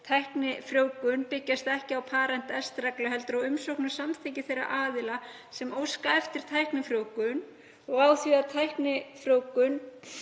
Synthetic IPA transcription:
t̪ʰajhknɪfɾjoːwkʏnpɪcːast̪ɛhcɪawpʰaːɾɛnt̪ɛst̪ɾaklʏɦɛlt̪ɾɔɣʏmsowhknʏ̥samθʰiːcɪθejra̰ʔaːðɪla | sɛmowskaɛft̪ɪɾ̥t̪ʰajhknɪfɾjoːwkʏn | ɔɣaːwθviat̪ʰajhknɪfɾjoːwkʏn

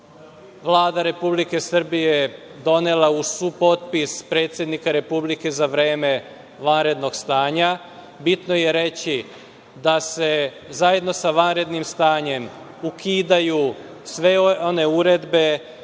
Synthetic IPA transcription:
ʋlˠaːd̪aɾe̞publike̞sr̩bije | d̪o̞ne̞lausuːpo̞t̪̚pispɾe̞ːt̪sʲjed̪nikaɾe̞publike̞zaʋɾeːme̞ | ʋanɾe̞d̪no̞ɡst̪aːɲa | bit̪noje̞ɾe̞t͡ɕi | d̪ase̞ | zaje̞d̪no̞saʋanɾe̞d̪nimst̪aːɲe̞m | ukʰiːd̪aju | sʋe̞one̞uɾe̞d̪be̞

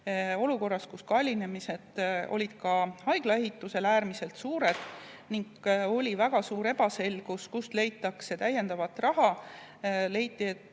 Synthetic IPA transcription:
o̞luko̞rːɑskuskɑlʲine̞mise̞d̪̥o̞̰lʲid̪̥kɑhɑjɡ̥lɑe̞ɦit̪ːˑuse̞læːɾmise̞lt̪suːɾe̞d̪̥ | niŋɡo̞lʲivæɡ̥ɑsuːɾe̞bɑse̞lɡ̥uskust̪le̞jt̪ːˑɑkset̪æjːe̞nd̪̥ɑvɑt̪ːˑrɑɦɑ | le̞jt̪ːˑie̞t̪ːˑ

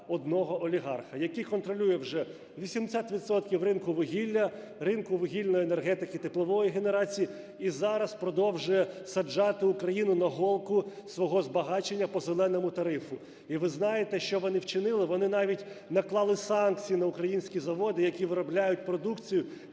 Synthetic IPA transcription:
ɔd̪nɔɦɔʔɔlʲiɦɑrxɐjɐkikɔnt̪ɾɔlʲujɛwʒɛ | ʋʲisʲimd̪esʲat̪ʋʲid̪sɔt̪kʲiwrɪnkʊʋɪɦʲilʲːɐ | ɾɪnkʊʋɪɦʲilʲnɔjinerɦɛt̪ɪkɪt̪ɪplˠɔʋɔjiɦene̞ɾɑt͡sʲiji | izɑɾɐspɾɔd̪ɔwʒʊjɛsɐd͡ʒɑt̪ɪʊkɾɐjinʊnɐɦɔlˠkʊsʋɔɦɔzbɐɦɑt͡ʃenʲːɐpɔzelˠɛnɔmʊt̪ɐɾɪfʊ | iʋɪznɑjet̪ɛʃt͡ʃɔʋɔnɪwt͡ʃɪnɪlˠɪʋɔnɪnɑʋʲitʲnɐklˠɑlˠɪsɑnk̚t͡sʲijinɐʊkɾɐjinʲsʲkʲizɐʋɔd̪ɪjɐkʲiʋɪɾɔblʲajʊt̚ʲpɾɔd̪ukt͡sʲijʊ

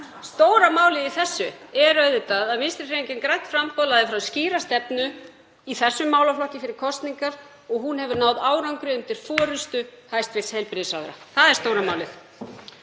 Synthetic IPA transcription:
st̪oːwɾamaːwlɪðiθɛsːʏɛɾœɥðʏt̪aðaðmɪnst̪ɾɪ̥reɲcɪnkɾajht̪fɾampɔlaðɪfɾawsciːɾast̪ɛpnʏ | iθɛsːʏmːaːwlaflɔhcɪfɪɾɪɾ̥kʰɔst̪niŋkaɾ̥ | ɔɣɦunɦɛvʏɾnaːwðaːwɾawŋkɾɪʏnt̪ɪɾ̥fɔːɾʏst̪ʏhajst̪vɪlshejlpɾɪðʏsa̰wðɾa̰θaðɛɾ̥st̪owɾamaːwlɪθ

